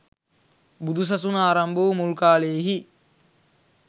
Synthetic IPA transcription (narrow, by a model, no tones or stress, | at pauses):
bud̪us̬ɐsunaːɾɐmboʋmulkaːleːɦi